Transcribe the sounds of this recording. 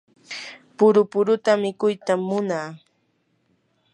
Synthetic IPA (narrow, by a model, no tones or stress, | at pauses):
pʊɾʊpʊɾʊt̪amɪkʊjt̪amːʊnaː